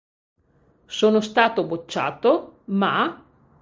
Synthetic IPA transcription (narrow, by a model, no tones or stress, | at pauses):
soːnost̪aːt̪obot͡ʃːa̰ːt̪oma